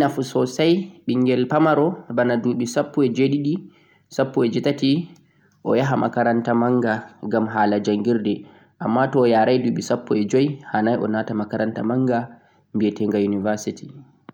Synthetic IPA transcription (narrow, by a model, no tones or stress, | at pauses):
nafusɔsajɓiŋɡɛlpamaɾɔbanaduɓisapːuɛd͡ʒeɗiɗi | sapːuɛd͡ʒitati | ʔɔjaɦama̰kaɾantamaŋɡaɡamɦaːlad͡ʒaŋɡiɾdɛ | ʔamːatɔːjaːɾajduːɓisapːuɛd͡ʒɔjhanajɔ̰naːtamakaɾanta̰maŋɡa | mbiɛtɛŋɡajunivaɾsiti̥